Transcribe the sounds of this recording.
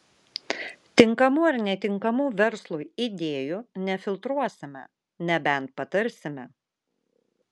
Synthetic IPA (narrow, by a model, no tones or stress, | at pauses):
t̪ʲɪŋkɐmuːɐɾnʲɛt̪ʲɪŋkɐmuːʋʲɛɾslˠuːɪd̪ʲeːjunʲɛfʲɪlˠt̪ɾuɔsʲɪmʲɛ̰ | nʲɛbʲɛnt̪̚pɐt̪ɐɾʲsʲɪmʲɛ